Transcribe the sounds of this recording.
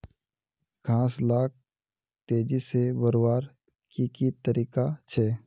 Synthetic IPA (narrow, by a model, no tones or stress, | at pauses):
kʰãːslaːk̚ʰ | t̪eːd͡ʒisebəɾwaːɾ | kikit̪əɾiːkat͡ʃʰɛː